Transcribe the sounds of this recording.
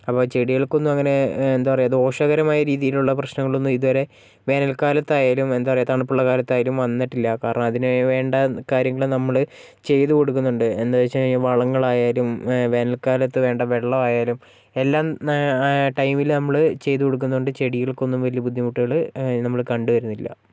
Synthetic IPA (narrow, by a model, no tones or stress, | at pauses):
ɐpːoːt͡ɕe̞ɽijeɭko̞nːumɐŋːɐne̞end̪aːɐrɐjuɐðo̞ːʂɐɣɐɾɐmaːjɐɾiːðijiluɭːɐprɐɕnɐŋːɐɭonːumiðuʋɐɾe̞ | ʋe̞ːnɐlkaːlɐt̪ːaːjaːlume̞nd̪apɐrɐjɐt̪aɳpːuɭːɐkaːlɐt̪ːaːjalumʋɐnːiʈːilːɐkaːɾɐɳɐmɐðinɨʋe̞ːɳɖɐkaːɾjɐŋːɐɭɨnɐmːɐɭɨ | t͡ɕe̞jt̪uko̞ɽuk̬ːunːuɳɖɨenːɐɐt͡ɕːɐʋɐɭɐŋːɐɭaːjaːlumʋe̞ːnɐlkaːlɐt̪ːɨʋe̞ːɳɖɐʋe̞ɭːɐʋaːjaːlum | e̞lːaːm | ʈɐjmilnɐmːɐɭɨt͡ɕe̞jt̪̬uko̞ɽuk̬ːunːuɳɖɨt͡ɕe̞ɽijɐɭko̞nːumʋɐlijɐbud̪ʱːimuʈːiɣɐɭnɐmːɐɭkɐɳɖuʋɐɾunːilːɐ̰